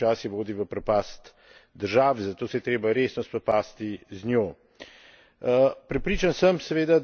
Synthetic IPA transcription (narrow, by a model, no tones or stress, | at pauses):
aːsiʋoːd̪iʋəpɾɛpaːst̪ | d̪əɾʒaːʋizat̪oːsɛjɛt̪ɾeːbaɾeːsnɔspɾɛpaːst̪iznjoː | pɾɛpɾiːt͡ʃansəmsɛʋeːd̪a